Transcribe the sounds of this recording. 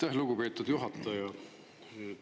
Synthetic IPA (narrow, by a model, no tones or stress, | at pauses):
t̪ɑɦluɡ̥upe̞ːt̪ːˑud̪̥juɦɑt̪ːˑɑjɑ